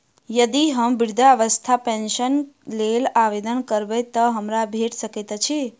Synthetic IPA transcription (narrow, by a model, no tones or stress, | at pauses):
jəd̪iɦəmbiɾd̪ʱaʋəst̪ʰapẽnʃənlelaʋed̪ənkəɾbet̪əɦəmɾabʱeʈsəket̪t͡ʃʰi